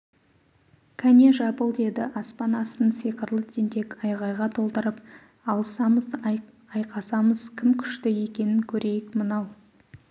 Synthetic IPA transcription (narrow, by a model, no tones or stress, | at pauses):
kʲʰænʲe̞ʒɑpəlˠd̪e̞d̪ɪʔɑspɑnɑsənsijqəɾlˠət̪ʰent̪e̞kɑjʁɑjʁɑt̪ʰo̞lˠt̪əɾəp | ɑlˠəsɑməz | ɑjqɑsɑməz̥kʲʰɪmkʲʰʏ̥ʃt̪ɪje̞kʲe̞nɪŋkʲʰɵɾe̞jɪkmənɑw